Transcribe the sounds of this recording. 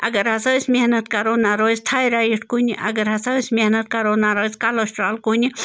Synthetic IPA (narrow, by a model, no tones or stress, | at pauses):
ɐ̰ɡɐɾhɐsɐwsʲmehnɐt̪kɐɾonaɾoːsʲt̪ʰaːjɾajiʈkuniʔɐ̰ɡɐɾhɐsɐsʲmehnɐt̪̚kɐɾoːnaɾosʲkaloːsʈɾaːlkunʲi